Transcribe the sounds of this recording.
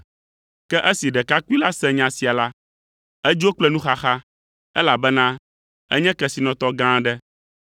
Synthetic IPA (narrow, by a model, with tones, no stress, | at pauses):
kɛ˦ʔɛ˦si˨ɖɛ˨ka˦ku˦i˦la˦sɛ̃˦ɲã˨si˨a˨la˦ | ɛ˦d͡ʒi˦wo˦k͡plɛ˦nũ˦xa˦xa˦ | ɛ˦la˨bɛ˦nã˦ | ɛ̰˦ɲɛ̃˦kɛ˨si˨nɔ̃˨t̪ɔ˦ɡã˦ɖɛ˦